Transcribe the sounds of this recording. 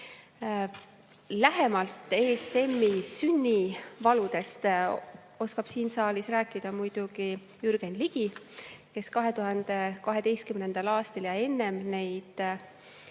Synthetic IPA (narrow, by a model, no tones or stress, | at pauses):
læɦe̞mɑlt̪ːˑe̞ːsːe̞mːisynːivɑlud̪̥e̞st̪ | o̞skɑb̥siːnsɑːlisræːkːˑid̪̥ɑmujd̪̥uɡ̥i | jyɾɡ̥e̞nliɡ̥ike̞skɑɦe̞t̪uɦɑnd̪̥e̞kɑɦe̞d̪e̞jst̪̚kymnend̪̥ɑlɑːst̪ɑljɑe̞nːe̞mne̞jd̪̥